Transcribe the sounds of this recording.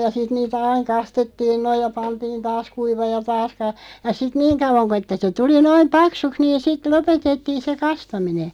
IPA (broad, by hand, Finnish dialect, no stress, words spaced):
jɑ sit niːtæ ɑiŋ kɑstetːiːn noij̆ jɑ pɑntiːn tɑːs kuiʋɑːj̆ jɑ tɑːs kɑ jɑ sit niːŋ kɑuʋɑŋ ko etːæ se tuli noim pɑksuks niːn̞ sit lopetetːiːn̞ se kɑstɑmine